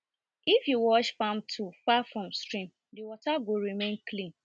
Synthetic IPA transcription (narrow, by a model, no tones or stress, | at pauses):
ifjuwɔʃfãmtʰufafɹɔ̃mstɹĩm | dɪwɔtaɡoɾimẽnklĩn